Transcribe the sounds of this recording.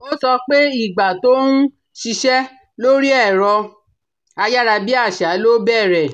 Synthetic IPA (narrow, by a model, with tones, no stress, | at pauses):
o˦sɔ˧k͡pe˦i˦˨ɡ͡ba˨to˦nũ˦ | ʃi˧ʃɛ˦ | lo˦ɾi˦ɛ˦˨ɾɔ˧ | a˧ja˦ɾa˧bi˦a˦˨ʃa˨˦lo˦bɛ˦˨ɾɛ˨